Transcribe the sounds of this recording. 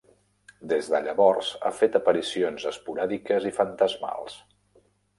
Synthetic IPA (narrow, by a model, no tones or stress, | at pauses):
d̪ezðəʎəβɔrza̰fet̪əpəɾisionzəspuɾaðikəzifənt̪əzma̰lˠs